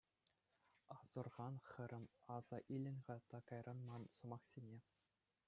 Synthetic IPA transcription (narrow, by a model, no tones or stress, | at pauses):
ɑz̥ɤ̆rʁɑnχɘ̆ɾʲɘ̆mɑz̥ɑʔilʲɘ̆nʲʁɑt̪ɑkɑjrɑnmɑnsɤ̆mɑχsʲenʲe